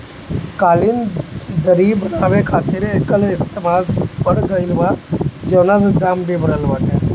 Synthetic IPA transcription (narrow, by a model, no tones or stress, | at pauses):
kaːlɪnd̪əɾibənaːʋekʰaːt̪ɪɾekəlɪst̪eːmaːlspəɽɡəɪlʋaːd͡ʒəːnazd̪aːmbʱibəɾəlʋaːkɛː